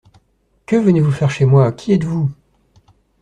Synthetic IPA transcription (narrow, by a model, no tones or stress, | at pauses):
kəvənevufɛʁʃemwakʲʰiɛt̪vu